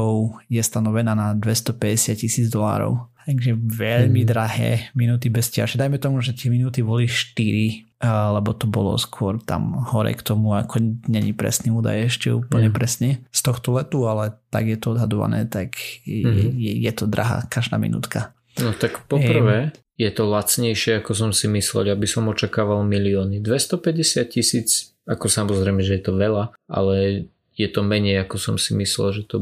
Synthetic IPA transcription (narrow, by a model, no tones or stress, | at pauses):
ɔʊjɛst̪anɔʋɛnaːnad̪ʋɛst̪ɔpɛɟɛsɪat̪̚cisiːd͡zd̪ɔla̰ːɾɔ̰ʊt̪aɡʒɛʋɛʎmid̪ɾaɦɛ̰ːminuːt̪ibɛscɪa̰ʒɛd̪ajmɛt̪ɔmuʒɛt̪ɪɛminuːt̪ibɔliʃt̪iɾi | lɛbɔt̪ɔbɔlɔ̰skʊɔɾt̪a̰mhɔɾɛ̰kt̪ɔmuakʰɔɲɛɲipɾɛ̰sniuːd̪a̰jɛʃcɛ̰ṵːpl̩ɲɛpɾɛsɲɛst̪ɔxt̪ɔlɛt̪ualɛt̪a̰ɡjɛt̪ɔɔd̪ɦad̪ɔʋa̰nɛ̰ːt̪akjɛjɛjɛt̪ɔd̪ɾʔa̰ɦa̰kaʒd̪a̰ːmḭnṵːt̪ka | nɔt̪akpɔpr̩ʋɛː | jɛt̪ɔlat͡sɲɛjʃɪɛakɔs̬ɔmsimislɛ̰labisɔmɔt͡ʃakaːʋalmiliɔːnid̪ʋɛst̪ɔpɛɟɛsɪat̪̚cisiːt͡s | akɔsamɔzɾɛɪmɛʒɛjɛt̪ɔʋɛlaʔa̰lɛ | jɛt̪ɔmɛɲɛjakɔsɔmsimislɛ̰lʒɛt̪ɔ